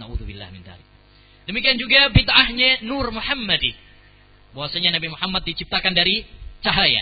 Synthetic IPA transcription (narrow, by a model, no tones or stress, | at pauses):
naʔuðubilːa̰hmɪnd̪a̰ɾik | dəmikiand͡ʒuɡabid̪ʕahɲanurmuħamːadi | bawasaɲanabimuħamːat̪̚dit͡ʃip̚t̪akandaɾit͡ʃaɦaja̰